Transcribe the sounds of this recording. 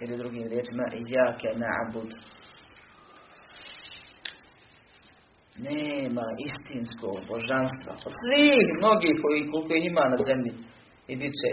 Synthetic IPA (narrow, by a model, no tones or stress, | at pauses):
ilid̪ɾuɡiːmɾjeːt͡ʃimaʔijːaːkɛna̰ʕbud̪ | neːmaʔist̪insko̰ːɡboʒanst̪ʋa̰od̪sʋiːhmnoɡiːkoikolikojiimaːnazemʎi | id̪it͡ʃɛ